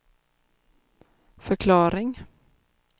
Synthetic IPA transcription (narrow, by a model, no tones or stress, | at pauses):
fœɾkʰlɑːɾɪŋ